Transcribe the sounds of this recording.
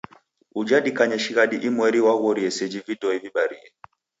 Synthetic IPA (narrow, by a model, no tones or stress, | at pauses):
ud͡ʒaɗikaɲɛʃiɣaɗiʔimwɛɾiwaɣɔɾiɛsɛd͡ʒividɔiviɓaɾiɛ